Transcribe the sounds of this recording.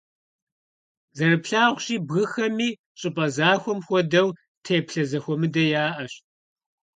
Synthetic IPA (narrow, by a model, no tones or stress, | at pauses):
zɐrɨpɬaːʁʷɕʼiːbɣɨxɐmiː | ɕʼɪpʼɐzaːxʷɔmxʷɔdɐw | tʰeːpɬɐzɐxʷɔmɨdɐjaːʔɐɕt